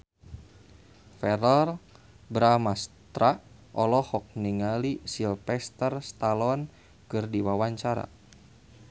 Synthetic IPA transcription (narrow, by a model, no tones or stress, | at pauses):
fɛɾɔr | bɾamast̪ɾa | ʔɔlɔhɔk̚niŋalisilpɛst̪ərst̪alɔn | kɨrdiwawaɲt͡ʃaɾa̰